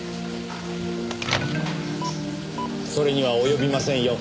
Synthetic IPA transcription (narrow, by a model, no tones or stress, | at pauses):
so̞ɾe̞ɲ̟iβaojo̞bʲimasẽ̞ɰ̃jo̞